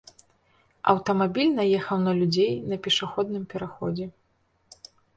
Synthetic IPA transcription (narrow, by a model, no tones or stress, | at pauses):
ɐ̰wt̪ɐmabʲilʲnɐjɛxɐwnɐlʲud͡zʲejnɐpʲɛʂaxɔd̪̚nɨmpʲɛɾaxɔd͡zʲɛ